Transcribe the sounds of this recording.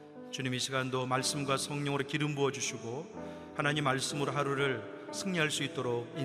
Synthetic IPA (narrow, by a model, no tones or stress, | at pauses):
t͡ɕuɲimiɕʰiɡandomaɭs͈ɯmɡwasʰʌŋɲʌŋɯɾokiɾɯmbuʌd͡ʑuɕʰiɡo | hanaɲimːaɭs͈ɯmɯɾoɦaɾuɾɯɭ | sʰɯŋɲiɦaɭs͈uit̚t͈oɾoɡin